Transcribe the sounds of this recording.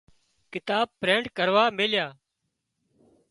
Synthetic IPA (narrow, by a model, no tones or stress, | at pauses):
kɪt̪aːb̚pɾẽːɳɖkəɾʋaːmeːljaː